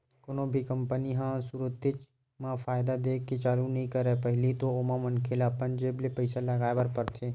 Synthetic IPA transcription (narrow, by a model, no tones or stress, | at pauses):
kʊnõːbʱikɐ̃mpəniɦãsuɾʊt̪ɪt͡ʃ | mãfaːɪd̪ad̪eːkːet͡ʃaːɾunɐɦĩkɐɾepəɦɪlit̪oomãmɐnkʰelapənd͡ʒeːblepəɪsalɐɡaːebəɾpɐɾt̪ʰeː